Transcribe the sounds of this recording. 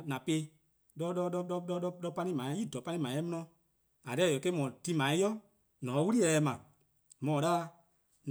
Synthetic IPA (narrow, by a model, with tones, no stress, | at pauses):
nã˨pe˧˦ | ɗɔ˧˦ɗɔ˧ɗɔ˧˦ɗɔ˧ɗɔ˧˦ɗɔ˧ɗɔ˧˦pa˧nĩ˦mãː˨˦i˦˨dɔ˨˦pa˧nĩ˦mãː˨˦ɛ˦mɔ̃˦nɔ̃˧ | a˨dɛ˦˨o˨ke˦mɔ̃˨ti˧mã˨ĩ˦jɔ˦ | nɔ̃ː˨˦wu˦ɾi˦ɛ˨˧ɛ˧mã˨ | mɔ̃˨ɗa˦ | n˨